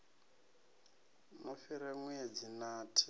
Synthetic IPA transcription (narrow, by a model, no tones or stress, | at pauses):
nofiɾɛŋwuɛd͡zinaːtʰi̥